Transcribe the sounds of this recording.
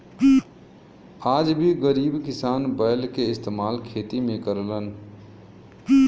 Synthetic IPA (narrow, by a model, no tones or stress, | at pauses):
aːd͡ʒbʱiɡəɾiːbkɪsaːnbəɪlkeɪst̪eːmaːlkʰeːt̪imẽkəɾlən